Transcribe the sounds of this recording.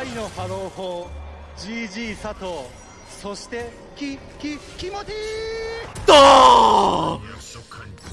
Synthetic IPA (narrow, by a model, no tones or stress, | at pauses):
aino̞haɾoːhoː | d͡ʑiʑiːsat̪oː | so̞ɕi̥t̪e̞ | kkioi | t̪o